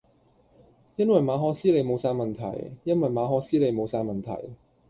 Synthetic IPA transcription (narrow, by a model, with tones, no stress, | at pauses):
jɐ˥nwɐ˨jmaː˨˧ɦɔː˧siː˥le˨˧jmo˨˧wsaː˧jmɐ˨nt̪ʰɐ̰˨˩jjɐ˥nwɐ˨jmaː˨˧ɦɔː˧siː˥le˨˧jmo˨˧wsaː˧jmɐ˨nt̪ʰɐ̰˨˩j